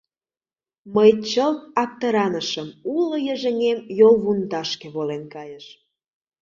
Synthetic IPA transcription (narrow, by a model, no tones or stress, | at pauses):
məjt͡ɕəlt̪̚ɑk̚t̪əɾɑnəʃəmulojə̆ʒə̆ŋemjolˠβund̪ɑʃkeβolenkɑjəʃ